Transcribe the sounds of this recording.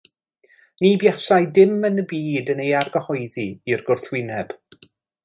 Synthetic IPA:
nibjasajdɪmənəbiːdənejarɡəhɔɨðiːrɡʊrθwɪnɛb̥

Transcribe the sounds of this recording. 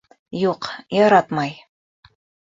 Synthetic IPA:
juqjɑɾɑt̪mɑj

